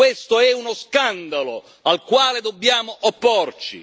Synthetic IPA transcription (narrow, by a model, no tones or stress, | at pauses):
west̪oɛunoskand̪alo | alkwaːled̪obːjaːmoʔopːort͡ʃḭ